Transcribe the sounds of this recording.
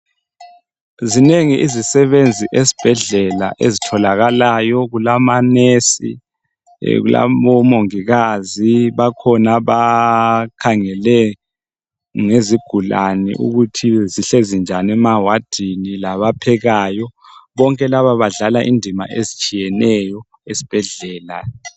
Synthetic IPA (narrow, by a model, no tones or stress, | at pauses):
zineŋiʔizisɛβend͡zʱiʔezib̥ʱɛɮɛla̰ʔezitʰɔlaɣalajɔɣulamanesḭ | ɣṵla̰βɔmoŋiɣaziβakʰɔnaβa | kʰaŋɛlɛ | ŋeziɡ̥ʱulanḭʔṵɣutʰiziɬezind͡ʒʱanɛmawad̥ʱinilaβapʰɛɣaːjɔβɔŋkʼɛlaβaβaɮalaʔḭndʱima̰ʔezit͡ʃʼijɛnɛjɔ | esi̥b̥ʱɛɮɛːla̰